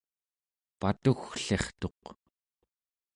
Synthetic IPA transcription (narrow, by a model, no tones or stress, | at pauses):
pat̪uxɬeχt̪o̞q